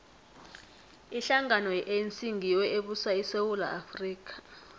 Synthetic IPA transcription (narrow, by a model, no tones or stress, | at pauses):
iɬaŋanɔʔent͡sʼiŋʱiwɛʔeɓusaisewula̰ʔafriːk̬ʼḁ